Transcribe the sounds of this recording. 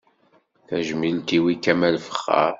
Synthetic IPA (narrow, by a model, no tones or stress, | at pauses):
θæʒmilt̪iwikːæmælfə̥χːa̰